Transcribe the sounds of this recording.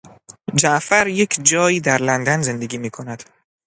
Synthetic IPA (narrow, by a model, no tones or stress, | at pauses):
d͡ʒæʔfæɾje̞kʰd͡ʒɒːjiːd̪æɾlænd̪ænze̞nd̪eɡʲiːmiːkʰonæd̪̥